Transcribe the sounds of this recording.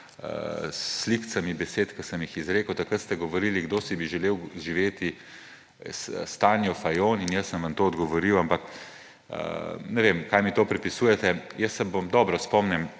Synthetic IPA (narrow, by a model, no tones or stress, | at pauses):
ə̰sːlikt̪samibɛseːt̪kəsəmjixizɾeːkəwt̪akɾət̪st̪ɛɡɔʋɔɾiliɡd̪oːsibiʒɛleːwʒiʋeːt̪i | sst̪aːnjɔfajoːninjəsːə̃mʋɐnt̪oːɔd̪ɡɔʋɔɾiwampɐk | ə̰nɛʋemkajmit̪oːpɾɛpisuːjɛt̪ɛjəsːɛbomd̪ɔːbɾɔspɔmnɛm